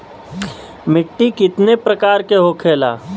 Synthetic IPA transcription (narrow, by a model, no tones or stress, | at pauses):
mɪʈːikɪt̪nepɾəkaːɾkeɦokʰeːla̰ː